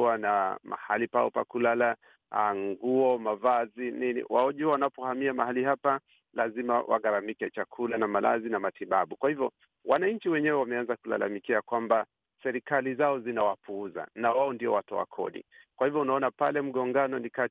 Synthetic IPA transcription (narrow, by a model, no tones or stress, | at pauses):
anama̰halipaɔpakulala | aŋɡuɔmavazininḭwaɔʄuawanapɔhamiamahalihapa | lazimawʔa̰ɣaɾamikɛt͡ʃakʰulanamala̰zinamatiɓaɓukwahivɔ | wanaɲ̩t͡ʃiwɛɲɛwɛwamɛanzakula̰la̰mikiakwamba | sɛɾikalizaɔzinawapuːza̰nawaɔndiɔwatɔ̰a̰kʰɔ̰ɗḭkwahivjɔunaɔnapalɛm̩ɠɔŋɡanɔnika